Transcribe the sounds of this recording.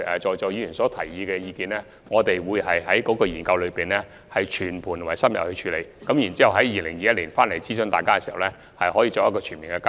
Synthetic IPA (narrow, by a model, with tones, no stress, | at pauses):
ʔɛ˨t͡ʃɔː˨˧jt͡ʃɔː˧ji˧yː˨˩nsɔː˨˥t̪ʰɐ˨˩jːiː˨˧kɛː˧jiː˧kiː˨˧nlɛː˥ | ŋɔː˨˧t̪e˨jwuː˨˧jhɐ˨jɦɐ˨˥jkɔː˨˥kɔː˧jiː˨˩nkɐ˧wlɵ˨˧piː˨nlɛ˥ | hɐ˨jt͡ʃʰyː˨˩npʰu˨˩t̪ʰːsɐ˥mjɐ̰˨˩p̚hɵ˧t͡ʃʰyː˧lḛ˨˧jkɐ˨˦˥mjiː˨˩nt͡si˥hɐ˨wɦɐ˨˥jːiː˨lɪ˨˩ŋjiː˨jɐ˥t̚liː˨˩nfaː˥nle˨˩jt͡siː˥sɵ˧nt̪aː˨jkaː˥kɛ˧siː˨˩hɐ˨˩wlɛː˥ | hɐ˨jɦɔː˨˥jiː˧t͡ʃɔː˧k̚jɐ˥kɔː˧t͡ʃʰyː˨˩miː˨nkɛ˧kː